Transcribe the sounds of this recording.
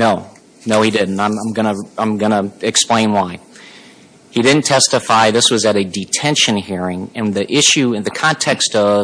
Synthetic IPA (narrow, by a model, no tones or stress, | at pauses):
noʊ | noʊidɪdⁿn̩tãɪ̃mãɪ̃mɡʌnəãɪ̃mɡʌnəɨksplẽɪ̃nwaɪ | hidɪdⁿn̩tʰɛstɨfaɪðɪswʌzɨɾɨdɨtʰɛ̃nʃɨ̃nhiɹɪ̃ŋɨ̃nðiʔɪʃʉɨ̃nðɨkʰɑ̃ntʰɛkstʌv